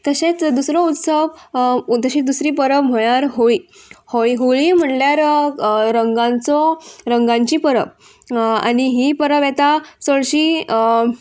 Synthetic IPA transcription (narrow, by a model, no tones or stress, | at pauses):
t̪əɕet͡sd̪usɾɔut̪səʋt̪əɕid̪usɾiːpəɾəʋm̤əɭjaɾɦoi | hoiɦoɭim̤əɳljaɾɾəŋɡãnt͡sɔɾəŋɡãɲt͡ɕiːpəɾəʋ | a̰ɽiɦipəɾəʋjet̪asəɭɕiː